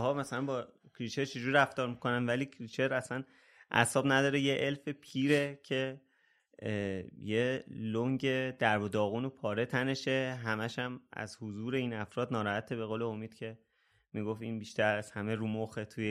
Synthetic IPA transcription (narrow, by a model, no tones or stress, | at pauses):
ɦɒːmæsælænbɒː | cʰɾit͡ʃʰe̞ɾt͡ʃʰed͡ʒuːɾɾæft̪ɒːɾmikʰo̞nænvæliːcʰɾit͡ʃʰe̞ɾæsæn | ʔæ̰sɒːbnæd̪ɒːɾejeʔelfepʰiːɾe̞cʰe̞ | jeloŋɟe̞d̪̥æɾbod̪ɒːɣuːnopʰɒːɾe̞t̪ʰæne̞ʃe̞ɦæmæʃæmæ̰zhuzuːɾe̞iːnæfɾɒːd̪nɒːɾɒːhæt̪ʰebe̞ɣoːleomiːd̪̥cʰe̞ | miːɡo̞finbiːʃt̪æɾæshæmeɾuːmoxet̪ʰuje